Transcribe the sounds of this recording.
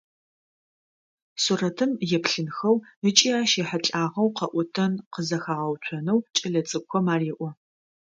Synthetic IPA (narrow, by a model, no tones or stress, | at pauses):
surɐtʰɨmjɛpɬɨnxɐwət͡ʃʼiːaːʃeːħɐt͡ɬʼaːʁɐwqɐʔʷɔtʰɐnqəzɐxaːʁɐwt͡ʃʷʰɔnɐwt͡ʃʼɐɮɐt͡sʼɨkʷʰɔmaːreːʔʷɔ